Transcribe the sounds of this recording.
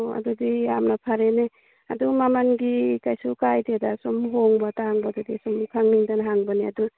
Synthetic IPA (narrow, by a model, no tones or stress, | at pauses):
a̰dudiamnapʰaɾene | a̰dumamanɡikajsukajtedasɔmɦoŋbataŋbadudisɔmkʰaŋniŋtanɦaŋbaneadu